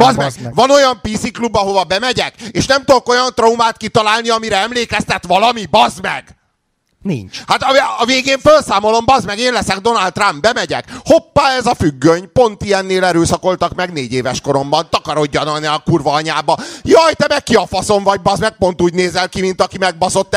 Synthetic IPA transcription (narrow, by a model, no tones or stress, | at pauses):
bɒzmɛvɒno̞jɒmpisiklubːɒɦo̞vɒbɛmɛɟɛkeːʃnɛmt̪oko̞jɒnt̪roumaːt̪kit̪ɒlaːlniɒmiɾɛɛmleːkɛst̪ɛt̪ʋɒlɒmibɒzmɛɡ̥ | nḭɲt͡ʃhat̪ɒɒveːɡeːɱfølsaːmo̞lo̞mbɒzmɛɡeːnlɛsɛɡd̪o̞nalt̪ːrambbɛmɛɟɛ̰kho̞pːaːɛzɒfyɡːøɲpo̞nt̪ijɛnːeːlɛɾøːsɒko̞lt̪ɒkmɛɡneːɟeːvɛʃko̞ɾo̞mbɒnt̪ɒkɒɾo̞ɟːɒnɒnɛːkurvɒɲaːbɒjɒjt̪ɛmɛkkːiɒfɒso̞ɱvɒɟ̚bɒzmɛk̚po̞nt̪uːɟneːzɛlkimint̪ɒkimɛɡ̚bɒso̞t̪ː